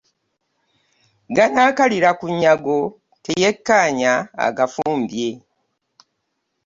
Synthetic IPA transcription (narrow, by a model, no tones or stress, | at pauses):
ɡanaːkaliɾakuɲːaɡo̞ | te̞je̞kːaːɲaa̰ɡafuːmbje̞